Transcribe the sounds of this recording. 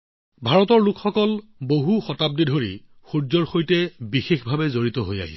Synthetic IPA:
bʱaɹɔtɔɹlukʰxɔkɔlboɦuxɔtab̚didʱoɹḭ | xuɹzɔɹxojtɛbixexbʱabɛzoɹitɔɦoja̰ɦḭ

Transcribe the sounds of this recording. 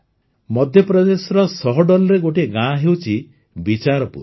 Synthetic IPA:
mɔd̪ʱjɔpɾɔd̪esɔɾɔsɔɦɔɖɔlɔɾeɡoʈeɡãɦewt͡ʃʰi | bit͡ʃaɾɔpṵɾ

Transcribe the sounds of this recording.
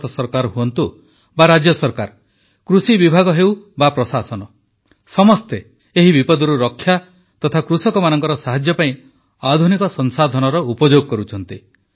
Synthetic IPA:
t̪ɔsɔɾkaɾɦuɔnt̪u | baɾad͡ʒjɔsɔɾkaɾ | kɾusibibʱaɡɔɦewbapɾɔsasɔnɔ | sɔmɔst̪e | eɦibipɔd̪ɔɾuɾɔkʰːja | t̪ɔt̪ʰakɾusɔkɔmanɔŋkɔɾɔsaɦad͡ʒjɔpaĩ | ad̪ʱunikɔsɔnsad̪ʱɔnɔɾɔupɔd͡ʒoɡɔkɔɾut͡ʃʰɔnt̪i

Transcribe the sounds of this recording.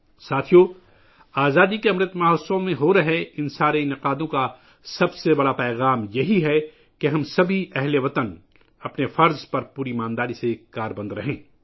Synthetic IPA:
saːt̪ʰijo | aːzaːd̪ikeɐmɾɪt̪maːɦsõmẽɦoɾɐɦeɪnsaːɾeɪnɪqaːd̪õka | sɐbsebɐɽapɛːɣaːmjɐɦiɦɛ | keɦɐmsɐbʱiʔɛɦleʋɐt̪ən | ɐpnefɐɾzpɐɾpuːɾimãːnd̪aːɾisekaːɾbɐ̃nd̪ɾɐɦẽː

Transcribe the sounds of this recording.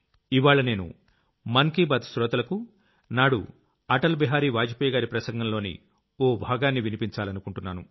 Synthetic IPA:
iʋaːɭɐne̞ːnṵ | mɐŋkiːbaːd̪sɾɔːt̪ɐlɐku | naːɽṵ | ɐʈɐlbiɦaːɾiːʋaːd͡ʒɐpjɐɡaːɾipɾɐsɐŋɡɐmlo̞ːnḭ | oːbʱaːɡaːnːiʋinipiɲt͡ʃaːlɐnukuɳʈunːaːnu

